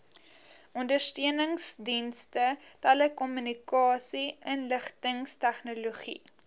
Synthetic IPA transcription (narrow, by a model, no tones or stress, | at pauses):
ʔɔndərstøənəŋsdinstətɛləkɔmynikɑːsiənləχtəŋstæχnoloχḭ